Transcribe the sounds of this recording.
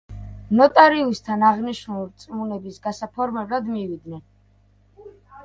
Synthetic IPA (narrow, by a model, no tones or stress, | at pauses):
nɔt̪ʼaɾiust̪ʰanaʁniʃnulit̪sʼmunɛbisɡasapʰɔɾmɛblad̪mivid̪nɛn